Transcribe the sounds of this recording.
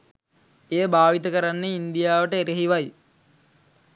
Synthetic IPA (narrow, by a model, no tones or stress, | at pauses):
eːbaːʋit̪əkəɾanːeind̪ijaːʋəʈəeɾeɦiʋaj